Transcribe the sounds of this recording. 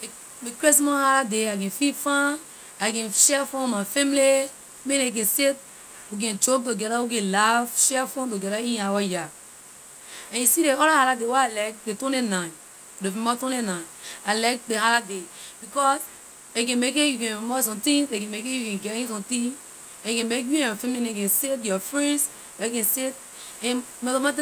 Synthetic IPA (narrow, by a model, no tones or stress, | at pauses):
e | mikɹes̬mɔ̃haladeakɛ̃nfitfãn | akɛ̃nʃɛfɔ̃mafɛ̃mili | mẽnek̬ɛ̃nset̚ | wuk̬ɛ̃nd͡ʒok̚tuɡɛɾawukɛ̃nlavʃɛfõnt̬uɡɛɾaĩnawaja | ɛ̃njusiɾeɔɾahaladewɛalak̚detõnenãn | devɛ̃mɔtõnenãnalak̚dehaladebikɔs | ekɛ̃nmekejukɛ̃nfmɔs̬ɔ̃mtĩŋsekɛ̃mekejukɛ̃nɡɛtĩs̬ɔ̃mtĩŋ | ɛ̃nkɛ̃mek̬juɛ̃nfɛ̃mẽnekɛ̃nset̬jɔfɹɛ̃ns | wɛekɛ̃nset̚ | ɛ̃nmɛlɔmãt̬